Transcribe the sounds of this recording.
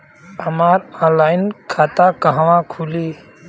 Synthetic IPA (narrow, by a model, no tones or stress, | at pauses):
əmaːɾɔ̃nlaːɪnkʰaːt̪akəɦʋãkʰuliː